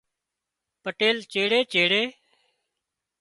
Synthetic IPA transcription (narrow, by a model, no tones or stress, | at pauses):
pəʈeːlt͡ʃeːɽeːt͡ʃeːɽeː